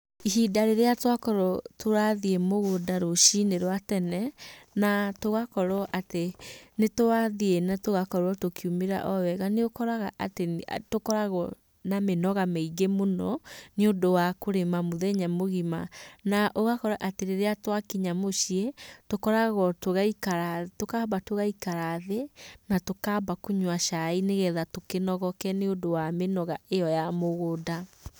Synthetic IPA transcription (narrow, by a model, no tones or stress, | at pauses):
iɦidaɾeɾeatwakɔɾɔtʰoɾaðiemoɣodaɾoʃineɾwatɛnɛnatoɣakɔɾɔʔatenetoɾaðienatoɣakɔɾwɔtokʰiumeɾa̰ʔɔwɛɣaneokɔɾaɣaʔatetokɔɾaɣɔ | namenɔɣameiɡemonɔneodowakoɾemamoðɛɲamoɣimanaʔoɣakɔɾaʔateɾeɾeatwakiɲamoɕiɛtokɔɾaɣɔtoɣaikaɾatokabatoɣaikaɾaðenatokabakoɲwaʃaineɣɛðatokenɔɣɔkɛneondowamenɔɣaejɔjamoɣoda